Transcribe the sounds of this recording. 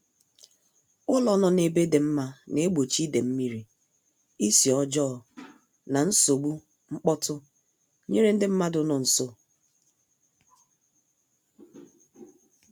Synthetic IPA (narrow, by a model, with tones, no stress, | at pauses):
ʊ˦lɔ˦nɔ˨ne˨be˦de˨m̩˦ma˦ne˨˦ɡ͡bo˨t͡ʃi˦de˨m̩˦mi˦ɾi˨ | i˦si˨ɔ˦d͡ʒɔː˦˨ | na˨n̩˦so˨ɡ͡bu˦ | ŋ͡m̩˦k͡pɔ˦tʊ˦ | ɲe˦ɾe˦n̩˦dɪ˦m̩˦ma˦dʊ˦nɔ˨n̩˨so˦